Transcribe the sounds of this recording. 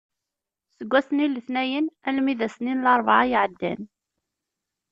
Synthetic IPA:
səɡʷːæsənilːəθnæjənælmiðæsninlɑɾˤvʕajʕəd̪ːæ̰n

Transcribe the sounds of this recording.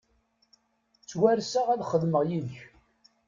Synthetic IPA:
t͡sːwæɾsæʁæðχəðməʁjiðəç

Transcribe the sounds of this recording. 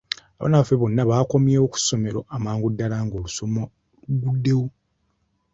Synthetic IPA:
aβa̰naβafeβo̞nːaβaːko̞mjeːwoku̥so̞me̞ɾo̞̰ʔamaːŋɡudːalaŋɡo̞ːlusomo | luɡudːe̞wo

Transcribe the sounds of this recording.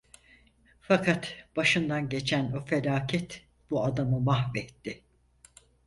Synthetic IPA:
fakʰat̪b̥aʃɯnd̪anɟe̞t͡ʃʰænofelaːcʰɛt̪ | b̥uad̪amɯmahvɛt̪ʰːɪ

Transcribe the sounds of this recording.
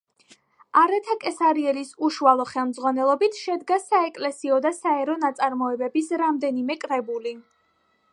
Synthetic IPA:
aɾɛt̪ʰakʼɛsaɾiɛlisuʃualˠɔχɛlˠmd̪zʁwanɛlˠɔbit̪ʰʃɛd̪ɡasaɛkʼlɛsiɔd̪asaɛɾɔnat̪sʼaɾmɔɛbɛbisɾamd̪ɛnimɛkʼɾɛbuli

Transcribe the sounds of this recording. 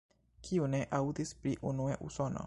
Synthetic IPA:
kʰiune̞ʔawdispɾiʔunueʔṵso̞no̞̰

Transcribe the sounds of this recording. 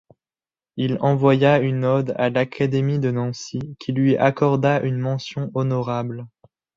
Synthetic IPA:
ilɑ̃vwajaynɔd̪alakʰad̪emid̪ənɑ̃sikʲʰilɥiʔakɔʁd̪aʔynmɑ̃sjɔ̃ʔɔnɔʁabl

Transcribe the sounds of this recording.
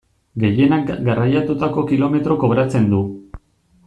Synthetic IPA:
ɡe̞je̞nak̚ɡarajat̪ut̪ako̞kilo̞me̞t̪ɾo̞ko̞βɾat͡se̞nd̪u

